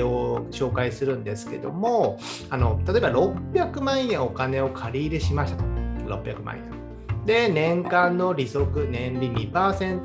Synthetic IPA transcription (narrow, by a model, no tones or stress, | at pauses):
oɕo̞ːkaisɨɾɯ̟̃nd̪e̞sɨ̥ke̞d̪o̞̰mo̞ | ano̞t̪at̪oebaɾo̞pːʲjakɯ̟mãɰ̃jẽ̞ɰ̃o̞kane̞o̞kʰaɾʲiːɾɯ̟ɕimaɕi̥t̪at̪o̥ɾo̞̰pːʲjakɯ̟mʔã̰ɰ̃jẽ | d̪e̞nẽ̞ŋkãnːo̞ɾʲiso̞kɯ̟nẽ̞nɾʲimʲipaːsẽ̞nt̪